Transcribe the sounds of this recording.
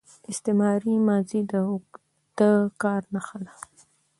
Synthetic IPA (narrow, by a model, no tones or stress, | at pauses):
ɪst̪emɑɾimɑzid̪ə | d̪̥əkɑɾnaxala